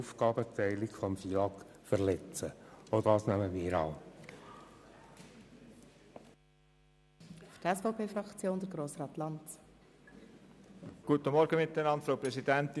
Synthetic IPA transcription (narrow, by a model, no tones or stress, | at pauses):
ufɡɑːbətɛɪlikfɔmfiɑk | fəʁlɛt͡səodɑːsnæməmiːɾɑ̰ː | ftɛsfoʊpʰeːfrɑkt͡sjoːnd̥əɾɡɾoːsɾɑːtlɑnt | ɡ̥uːtəmɔɾɡəmɪt̪ːənɑntfɾaʊpɾɛzidɛnt̪ɪ